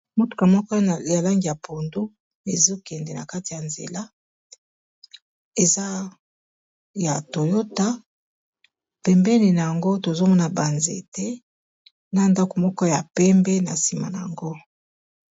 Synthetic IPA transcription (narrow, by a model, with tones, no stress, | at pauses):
mo˦tu̥˨ka˨mɔ˦kɔ˦˨ja˨la˦ŋɡi˨ja˨pʰo˨ndo˦ | e˨zo˦kɛ˨ndɛ˨na˨ka˦ti˨ja˨nzḛ˨la˦ | e˨za˦ | ja˨to˨jo˦ta˦ | pɛ˨mbɛ˦ni˨na˨ja˨ŋɡo˦to˨zo˦mɔ˦na˨ba˨nzḛ˨tɛ˦ | na˦nda˦ko˨mɔ˦kɔ˦ja˨pɛ˦mbɛ˦na˨si˨ma̰˨na˨ja̰˨ŋɡo˦